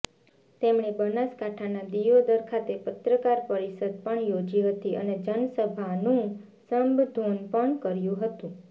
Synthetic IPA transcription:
t̪emɳebənaskaʈʰanad̪ijod̪əɾkʰat̪epət̪ɾəkaɾpəɾisəd̪̚pəɳjod͡ʒiɦət̪iʔə̰ned͡ʒənsəbʱanũ | səmbd̪ʱonpəɳkəɾjũɦət̪ũ

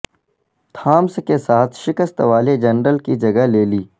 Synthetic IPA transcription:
t̪ʰaːmskesaːt̪ʰʃɪkəst̪ʋaːled͡ʒɐnɾəlkid͡ʒɐɡəɦleːliː

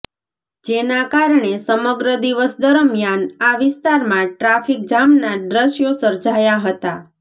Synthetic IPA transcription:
d͡ʒenakaɾɳesəməɡɾəd̪iʋəsd̪əɾəmjanaʋɪst̪aɾmãʈɾafik̚d͡ʒamnaɖɾəʃjosəɾd͡ʒajaɦət̪a

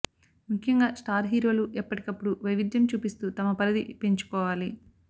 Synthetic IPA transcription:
mukʰjɐŋɡaːsʈaːɾɦiːɾo̞ːluʔɛpːɐʈi̥kɐpːuɽuʋɐjʋid̪jɐmt͡ʃuːpist̪uːt̪ɐmɐpɐɾɐd̪ḭpe̞ɲt͡ʃu̥kɔːʋaːli

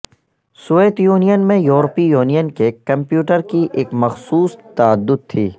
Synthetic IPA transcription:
sueːt̪juːnijənmẽjuːɾpijuːnijənkekɐ̃mpjuːʈəɾkiʔeːkmɐxsuːst̪aəd̪ːʊd̪̚t̪ʰiː

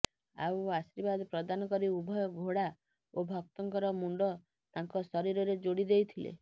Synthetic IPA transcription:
a̰wasiɾbad̪ɔpɾɔd̪anɔkɔɾiubʱɔjɔɡʱoɽa | obʱɔk̚t̪ɔŋkɔɾɔmuɳɖɔ | t̪aŋkɔsɔɾiɾɔɾed͡ʒoɽid̪ejt̪ʰilḛ

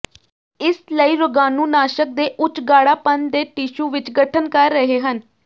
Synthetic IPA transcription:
ɪsləiːɾʊɡaːnũːnaːʃək̚d̪eːʔʊt͡ʃɡaːɽaːpənd̪eːʈiːʃuːʋɪt͡ʃɡəʈʰənkəɾːəɦeːɦən

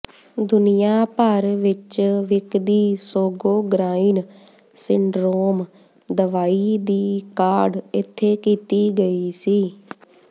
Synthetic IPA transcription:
d̪ʊnɪjaːpəɾʋɪt͡ʃʋɪkd̪iːsoːɡoːɡɾaːiːn | sɪɳɖɾoːm | d̪əʋaːiːd̪iːkaːɖɪt̪ʰːeːkiːt̪iːɡəiːsiː

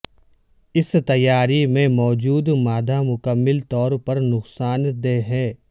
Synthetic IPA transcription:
ɪst̪ɐjːaːɾimẽmɔːd͡ʒuːd̪maːd̪ʱamʊkəmːɪlt̪ɔːɾpɐɾnʊqsaːnd̪eːɦɛ̃ː

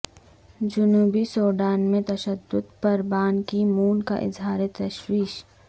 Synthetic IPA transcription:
d͡ʒʊnuːbisoːɖaːnmẽt̪ɐʃəd̪ːʊd̪pɐɾbaːnkimuːnka̰ʔɪ̰zɦaːɾet̪ɐʃwiːʃ

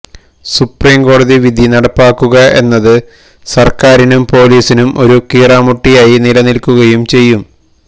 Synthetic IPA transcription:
supriːmko̞ːɽɐðiʋid̪ʱinɐɽɐpːaːkːuɣɐʔe̞̰nːɐðɨ | sɐrkaːɾinumpo̞ːliːsinumo̞ɾukiːraːmuʈːijaːjinilɐnilkːuɣɐjumt͡ɕe̞jːum

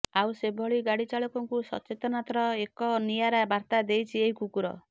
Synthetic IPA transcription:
awsebʱɔɭiɡaɽit͡ʃaɭɔkɔŋkusɔ̰t͡ʃet̪ɔnat̪ɾɔekɔnijaɾabaɾt̪ad̪ejt͡ʃʰieikukuɾɔ̰

